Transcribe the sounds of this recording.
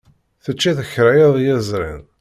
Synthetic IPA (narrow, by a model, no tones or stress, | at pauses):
θət͡ʃːiθəçɾæjðˤjæzˤɾˤɪ̰n